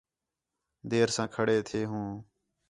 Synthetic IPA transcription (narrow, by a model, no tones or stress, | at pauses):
d̪eːɾsãːkʰəɽeːt̪ʰeːɦũː